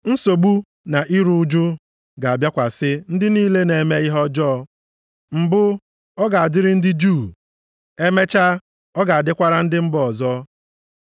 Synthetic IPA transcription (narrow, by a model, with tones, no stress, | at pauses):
n̩˦so˨ɡ͡bu˦ | na˨ʔi˦ɾu˦d͡ʒʊ˦ | ɡa˨a˨bja˦kʷa˨sɪ˦n̩˦dɪ˦niː˦le˦ne˨me˦ɪ˦ɦɔ˦d͡ʒɔː˦ | m̩˨bʊ˦ | ɔ˦ɡa˨a˨dɪ˦ɾɪ˦n̩˦dɪ˦d͡ʒu˦˨ | e˦me˦t͡ʃa˦ | ɔ˦ɡa˨a˨dɪ˦kʷa˦ɾa˦n̩˦dɪ˦m̩˦bɔ˨zɔ˦